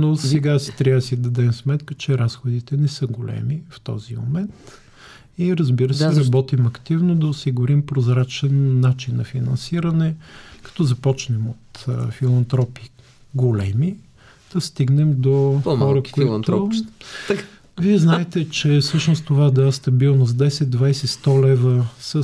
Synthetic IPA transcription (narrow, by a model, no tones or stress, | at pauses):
nosɛɡasi̥t̪ɾʲavsid̪ɐd̪ɛmsmɛt̪kət͡ʃɛɾasxod̪it̪ɛnɛsɤɡolɛ̰mift̪ɔ̰zimo̰mɛnt̪ | iɾɐzbiɾəsɛzɾɐbɔt̪imɐkt̪ivnod̪ɐosiɡʊɾimpɾozɾat͡ʃɛnːat͡ʃinːɐfinɐnsiɾɐnɛkɐ̥t̪ɔzɐpɔt͡ʃnɛmot̪filˠɐnt̪ɾɔpi | ɡolɛmi | d̪̥ɐst̪iɡnɛmd̪oxɔɾəkoit̪ | viɛznaɛt̪ɛt͡ʃɛsɤʃnost̪t̪ovad̪ast̪ɐbilˠnosd̪ɛjsɛtd̪̚d̪vajsɛst̪ɔlɛvəsə